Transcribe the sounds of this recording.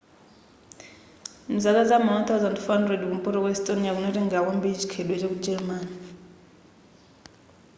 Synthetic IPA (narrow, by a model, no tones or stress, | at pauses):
m̩zak̬ad͡zamawant̪ʰawzandfɔɦandrɛdkumpʼɔɾɔkwɛstʼonijak̬unɛtɛŋakwambiid͡ʒi̥kʰɛɗwɛt͡ʃek̬ud͡ʒɛɾmani